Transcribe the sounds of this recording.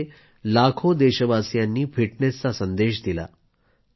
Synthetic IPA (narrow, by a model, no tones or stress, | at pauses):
lakʰod̪eɕəbasjanːiːfiʈnest͡sasənd̪eɕd̪ila̰